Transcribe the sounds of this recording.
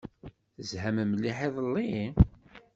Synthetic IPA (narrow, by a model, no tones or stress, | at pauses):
θəzhæməmlːiħeðˤəlːi